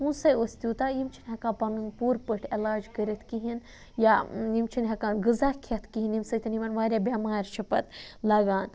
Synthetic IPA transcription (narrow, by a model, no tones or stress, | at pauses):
ũːsɐjosʲt̪ʲjuːt̪ajimt͡ʃʰinɦɐkãːpɐnunpuːɾpəʈʰelaːd͡ʒkəɾʲɐt̪ʰkiɦin | jaimt͡ʃʰinɦɐkãːnɡɨzaːkʰɐt̪kiɦinimsɐjt̪ɐniʋɐnʋaːɾʲjaːbʲamaːɾʲt͡ʃʰɐpɐt̪lɐɡaːn